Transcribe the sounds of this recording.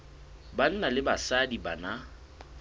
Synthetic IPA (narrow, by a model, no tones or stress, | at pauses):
ban̩nalɪbasadibana